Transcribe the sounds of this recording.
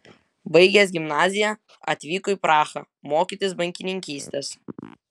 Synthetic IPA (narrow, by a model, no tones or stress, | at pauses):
bɐɪɡʲɛs̬ɡʲɪmnɑːzʲɪjɛ | ɐ̰t̪ʲʋʲiːkɔiːˑpɾɑːxɑ̰ | moːkʲiːˑt̪ʲɪsbɐŋʲkʲɪnʲɪŋʲkʲiːsʲt̪ʲes